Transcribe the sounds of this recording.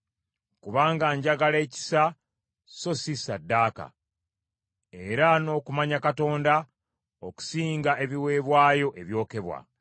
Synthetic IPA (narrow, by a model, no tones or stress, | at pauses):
kuβaːŋɡaɲɟaɡaleːci̥sa | so̞sisadːaːka̰ | e̞ɾano̞ːkumaɲakato̞ːnda | o̞ku̥siːŋɡaʔe̞βiwe̞ːβwaːjo̞ʔe̞βjo̞ːke̞βwa̰